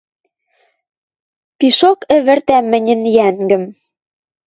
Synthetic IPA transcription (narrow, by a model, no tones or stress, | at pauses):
piʃokɘ̆βɘ̆rt̪æmɘ̆nʲɘ̆njæŋɡɘ̆m